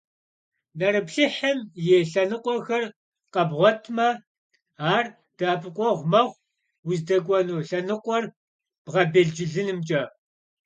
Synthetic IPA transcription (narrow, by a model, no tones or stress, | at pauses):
nɐɾɨpɬɨħɐmjeːɬɐnɨqʷʼɔxɐr | qʼɐbʁʷɔtʰmɐ | aːr | d̥aːpʰɨkʷʼɔʁʷmɐʁʷ | wʊzdɐɡʷʼɔnuːɬɐnɨqʷʼɔr | b̥ʁɐbɐɮd͡ʒɪɮɨnɨmt͡ʃʼɐ